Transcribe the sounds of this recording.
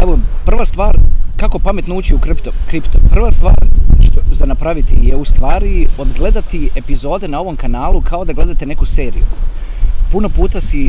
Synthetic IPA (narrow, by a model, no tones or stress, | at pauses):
eʋopr̩ʋast̪ʋaːɾkako̞pame̞t̪nouːt͡ɕiukɾpt̪okɾipt̪opr̩ʋast̪ʋa̰ːɾʃt̪ozanapɾaʋit̪ijeust̪ʋaːɾio̞d̪ɡle̞d̪at̪iepizo̞ːd̪e̞nao̞ʋo̞mkanaːlˠukʰao̞d̪aɡle̞d̪at̪e̞ne̞kuseːɾḭju | punopuːt̪asi